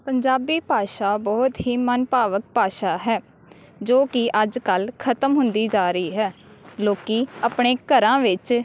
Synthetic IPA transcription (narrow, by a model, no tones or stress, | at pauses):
pəɲd͡ʒaːbiːpaːʃaːbɔːt̪ɦiːmənpaːʋək̚paːʃaːɦɛː | d͡ʒoːkɪʔəd͡ʒkəlkʰət̪əmɦʊ̃nd̪iːd͡ʒaːɾəiːɦɛː | loːkiːəpɳeːkəɾãːʋɪt͡ʃ